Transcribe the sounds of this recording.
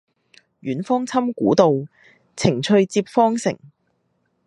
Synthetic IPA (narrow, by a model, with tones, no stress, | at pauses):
jyː˨˥nfɔː˥ŋt͡sʰɐ˥mkuː˨˥t̪o˨w | t͡sʰɪ˨˩ŋt͡ʃʰɵ˧ɥt͡siː˧p̚fɔː˥ŋsɪ̰˨˩ŋ